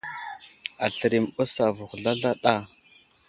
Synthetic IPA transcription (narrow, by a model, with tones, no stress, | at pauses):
a˨ɬə˨ɾi˨mbo˦sa˨vu˨xɮa˦ɮa˦ɗa˦˨